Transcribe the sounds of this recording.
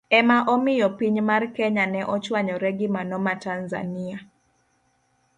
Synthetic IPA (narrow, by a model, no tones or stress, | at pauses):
ɛmaʔɔmɪjɔpiɲmarkɛɲanɛʔɔt͡ʃwaɲɔɾɛɡɪmanɔmatanza̰nia